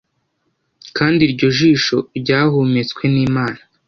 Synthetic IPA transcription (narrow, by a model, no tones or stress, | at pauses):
kaːndiɾɟo̞ʒiːʃo̞ɾɟaːɦumet͡skwe̞niːmaːna